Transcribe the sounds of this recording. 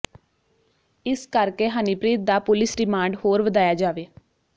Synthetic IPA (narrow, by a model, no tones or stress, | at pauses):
ɪskəɾkeːɦaːnipɾiːt̪̚d̪aːpʊlɪsɾɪmaːɳɖhoːɾʋəd̪aːjaːd͡ʒaːʋeː